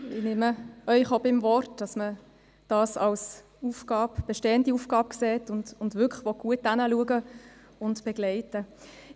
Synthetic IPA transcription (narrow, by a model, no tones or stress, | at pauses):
ɪnɪməœʏχobɪmvɔrtd̥ɑsmə | d̥ɑːsɑls | ufɡ̥ɑːbb̥ɛʃteːəndiufɡ̥ɑːb̚kseːtʊndʊndvʏkʰlχʋɔt̚ɡ̥uət̚ːanəluəɡə | ʊntb̥ɛɡlɛɪtə